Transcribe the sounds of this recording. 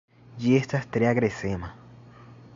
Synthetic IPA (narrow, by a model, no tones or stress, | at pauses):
d͡ʒest̪ast̪ɾeaɡɾesema